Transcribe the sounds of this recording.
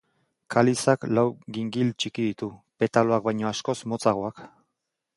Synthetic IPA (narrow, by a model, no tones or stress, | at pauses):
kʰalisaklawɣiŋɡilt͡ʃikiðit̪upe̞t̪aloak̚bajɲo̞asko̞smo̞t͡saɣ̞oak